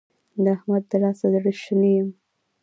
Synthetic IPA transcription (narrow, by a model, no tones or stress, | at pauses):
d̪əahmad̪ːəlɑsad̪əɽəʃənejəm